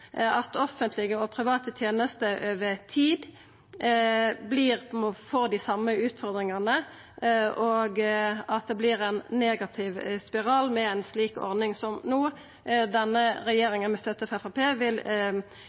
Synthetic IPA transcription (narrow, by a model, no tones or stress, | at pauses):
ɑt̪ɔfənt̪lɪɡəɔpʰɾɪʋɑːt̪ət̪ʰjeːnəst̪əʔøːʋət̪ʰiːd̪ | bliːʁmfɔːd̪ɪsɑmːəʉːt̪fɔʁd̪ʁɪŋɑnə | ʔoɡɑt̪̚d̪ɛblɪːɾɛnːeːɡɑt̪ʰɪʋspɪʁɑːlmɛɛnsliːkɔ̰ʁnɪŋsɔmnuː | d̪ɛnːəɾɛjeːɾɪŋənmɛst̪œt̪ːəfɛfɑpʰeːʋɪl